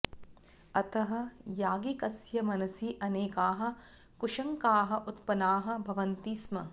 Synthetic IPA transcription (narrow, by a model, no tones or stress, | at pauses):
ɐt̪ɐɦɐ̆jaːɡikɐsjɐmɐnɐsiʔɐneːkaːɦɐ̆ | kuʂɐŋkaːɦɐ̆ʔut̪pɐnaːɦɐ̆bʱɐʋɐnt̪iːsmɐ